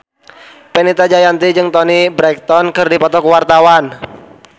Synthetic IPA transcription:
pɛnit̪ad͡ʒajant̪id͡ʒɨŋt̪ɔnibɾɛk̚t̪ɔnkɨrdipɔt̪ɔkəwart̪awan

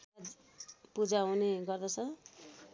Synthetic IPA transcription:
pud͡zaɦũneɡʌrd̪ʌt͡sʰʌ

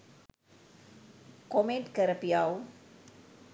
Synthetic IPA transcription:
kɔmentkəɾəpiaw

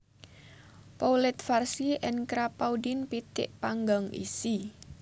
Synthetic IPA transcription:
powlɪt̪̚farsiʔɛnkɾapaudinpit̪ɪ̰ʔpaŋɡaŋḭsi

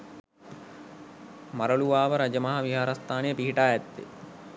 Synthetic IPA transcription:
maɾɐluʋaːʋəɾad͡ʒəmaɦaʋiɦaːɾast̪ʰaːnejəpiɦiʈaːɛt̪ːḛ

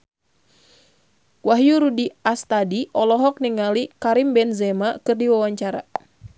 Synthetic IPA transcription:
waɦjuɾudiast̪adiʔɔlɔɦɔk̚niŋalikaɾimbɛnzɛmakɨrdiwawaɲt͡ʃaɾa̰

